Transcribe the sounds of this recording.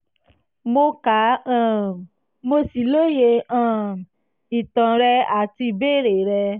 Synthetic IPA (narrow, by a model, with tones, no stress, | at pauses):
mo˧kã˨˦˨ | mo˧si˨lo˦je˧ã˦˨ | i˨tã˨ɾɛ˧a˨ti˧˨be˦˨ɾe˨ɾɛ˧